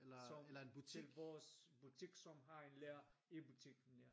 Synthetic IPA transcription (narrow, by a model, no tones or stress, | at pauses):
elɐsɒmelɐenb̥ut͡sʰl̥ʋɒːsb̥ut͡sʰiɡ̥sɒ̽mɦɑ̈enleːɐe̝but͡sʰiɡ̥nleɐ